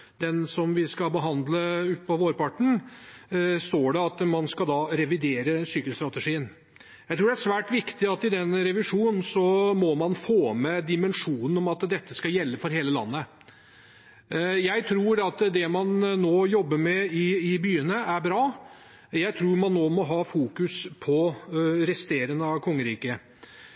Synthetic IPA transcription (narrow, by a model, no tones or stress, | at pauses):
d̪ɛnsɔmʋɪskɑbəɦɑnd̪ləʉt̪̚pɔʋoːɾpɑʈɳ̩ | st̪oːɖɛɑt̪mɑnskɑld̪ɑːɾɛʋɪd̪eːɾəsyːkəlst̪ɾɑt̪əʂiːən | jæɪt̪ɾuːɖɛæʂʋæːʈʋɪkt̪ɪɑt̪ːɪd̪ɛnɾɛʋɪʂuːn̩sɔmɔmɑnfoːmɛd̪ɪmənʂuːnən̩ɔmɑt̪d̪ɛt̪ːəskɑjɛlːəfɔɾɦeːləlɑ̰nːə | jæɪt̪ʰɾuːɾɑt̪d̪ɛmɑnːoːjɔbːəɾmɛɪɪbyːənəæɾbɾɑː | jæɪt̪ʰɾuːɾmɑnːoːmɔɦɑːfuːkʉspʰɔɾɛst̪eːɾəŋnəɑʋkʰɔŋːəɾiːkə